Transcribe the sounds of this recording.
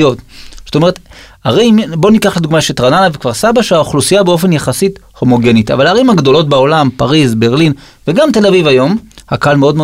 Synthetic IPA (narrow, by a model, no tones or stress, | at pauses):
otsot̪o̞me̞et̪ | aʁeimbo̞nikaχled̪uɡmaʃetʁananavekvaʁsabaʃeaoχlusijabeo̞fe̞njeχasit | ho̞mo̞ɡe̞nita̰valaːʁimhaɡd̪o̞lo̞t̚beo̞lampaʁizbe̞ʁlin | veɡamte̞lavivajo̞mhakalmeo̞d̪me